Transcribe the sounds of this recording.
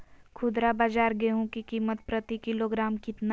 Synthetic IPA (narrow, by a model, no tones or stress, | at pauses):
kʰʊd̪ɾabaːd͡ʒaːɾɡeɦũkikiːmət̪̚pɾət̪ikɪloːɡɾaːmkɪt̪na